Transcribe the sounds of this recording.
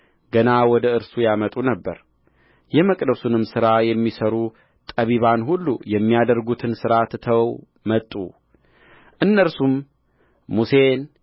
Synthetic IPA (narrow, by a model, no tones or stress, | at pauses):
ɡənawɔd̪əɨɾsujamət̪ʼunəbːə̰ɾ | jɛməkʼd̪əsunɨmsɨɾajɛmːisəɾu | t̪ʼəβiβanhulːujɛmːijad̪əɾɡut̪ʰɨnsɨɾat̪t̪ʰəw | mət̪ʼːṵ | ʔɨnːəɾsum | muse̞n